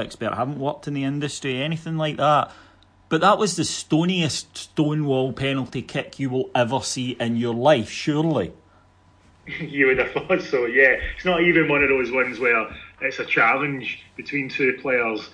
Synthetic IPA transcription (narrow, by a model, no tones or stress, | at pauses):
ɛkspɛɹʔhavən̩ʔwɔk̚tʰɪ̃nðiɪ̃ndəstɹ̥iɛnɪθɪ̃ŋlˠaɪk̚ðaʔ | b̥ʌʔðəʔwəzðəstoniəststõnwɔlˠpʰɛnəl̩ˠtikʰɪkʰjəwɪlˠɛvə˞siʔɪ̃njə˞lˠaɪfʃʉɹlˠi | jəənəfɔdsojɛɪtsnəʔivɪ̃nwʌ̃nəvðozwʌ̃nzwə˞ɪtsət͡ʃʰalˠɪ̃nd͡ʒb̥ɪtʰw̥ĩntʰʉːpʰl̥eə˞z̥